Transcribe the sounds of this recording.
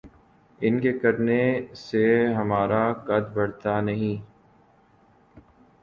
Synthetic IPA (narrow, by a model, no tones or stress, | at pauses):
ɪnkekɐɾneseɦɐmaːɾakɐd̪bɐɽt̪anɐɦĩː